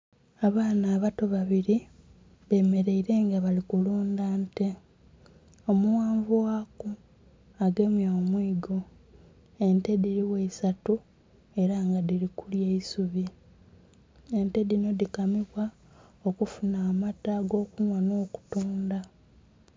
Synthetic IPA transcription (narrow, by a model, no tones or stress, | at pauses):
aβaːnaːβato̞βaβiɾi | βe̞ːme̞ɾe̞iɾe̞ːŋɡaβalikuluːndaːnte̞ | o̞muwaːɱvuwaku | aɡe̞mjoːmwiːɡo̞ | e̞nte̞diɾiweisatu | e̞ɾaŋɡadilikuljeisuβi | e̞nte̞dino̞dikamiβwa | okufunaːmataɡo̞ːkunwano̞ːku̥tuːnda